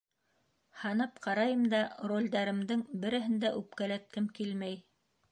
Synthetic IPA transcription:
hɑnɤpqɑɾɑjɤmd̪ɑrolʲd̪ɑɾɘ̆md̪ɘŋbɘ̆ɾɘ̆ɦɘnd̪æʔʉp̚kælæt̪̚kɘmkilmæj

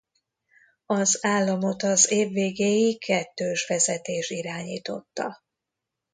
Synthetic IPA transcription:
ɒzaːlːɒmo̞t̪ɒzeːvːeːɡeːjikʰɛt̪ːøːʃʋɛzɛt̪eːʃtiɾaːɲḭːt̪o̞t̪ːɒ̰

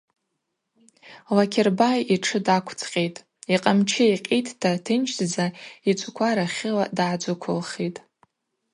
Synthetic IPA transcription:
lakʲʰerbajiʈ͡ʂʰɨdakʷʰt͡sʰʼqʲʼejtʼ | iqʼamt͡ʃʰɪiqʲʼitʼʰtʰatʰɨnt͡ʃʰdd͡zait͡ʃʷʼkʷʰaɾaχʲɪladad͡ʒʷʊkʷʰʊlχitʼ

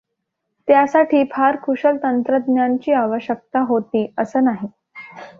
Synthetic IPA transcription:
t̪jasaʈʰiːpʰaɾkʰuɕəlt̪ənt̪ɾəd̪njant͡ɕiːaʋəɕjək̚t̪aɦot̪iːəsəːnaɦi

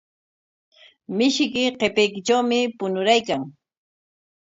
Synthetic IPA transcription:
mɪʃkɪqepejkɪʈ͡ʂawmɪpʊnʊɾajkaŋ

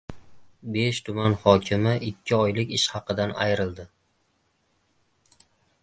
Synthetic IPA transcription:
be̞ʃt̪ʰʊmanhɒkʲʰɪmɪʔɪkʲʰːɪɒjlɪkʲɪʃhɑqɨd̪ana̰jɾɪlˠd̪ɪ

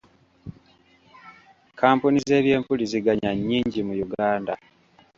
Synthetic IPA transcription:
kaːmpunize̞ːβje̞ːmpuliziɡaɲaɲːiːɲɟimujuɡaːnda̰

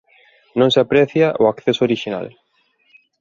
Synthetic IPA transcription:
nõŋseapɾɛθjaʔoakθesooɾiʃina̰l

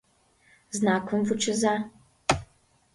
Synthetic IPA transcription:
znakʰɔmvut͡ʃɨza

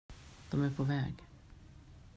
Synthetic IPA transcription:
d̪̥ɔmæɾpʰɔvɛːɡ

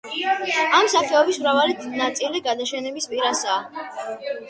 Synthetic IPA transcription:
amsaχɛɔbismɾavalid̪nat̪sʼiliɡad̪aʃɛnɛbispʼiɾasaː

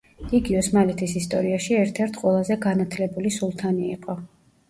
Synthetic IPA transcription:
iɡiɔsmalɛt̪ʰisist̪ʼɔɾiaʃiɛɾt̪ʰɛɾt̪ʰqʼwɛlˠazɛɡanat̪ʰlɛbulisulˠt̪ʰaniḭqʼɔ

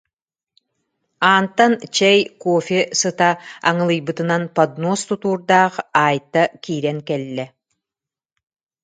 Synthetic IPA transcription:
aːnt̪ant͡ɕɛjkɔfʲesɯt̪a̰ːŋɯlˠɯjbɯt̪ɯnanpad̪nɔːst̪ut̪uːɾd̪aːχaːjt̪ːakiːɾɛŋkɛlːɛ

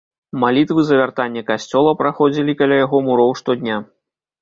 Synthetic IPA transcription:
malʲit̪vɨzɐvʲart̪anʲːɐkasʲt͡sʲɔlˠɐpɾaxɔd͡zʲilʲikalʲajaɣɔmuɾɔwʂt̪ɔd̪ʲnʲa

